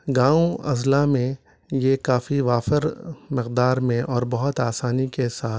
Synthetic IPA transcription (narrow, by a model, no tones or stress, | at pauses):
ɡãːõɐzlamẽ | jekaːfiʋaːfəɾmɪqd̪aːɾmẽʔɔːɾbɐɦʊt̪aːsaːnikesaː